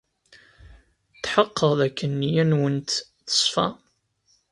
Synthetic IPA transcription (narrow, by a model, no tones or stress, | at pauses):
t̪ħəqːəðækːənːijænwənt̪ | θə̥sˤfɑ̰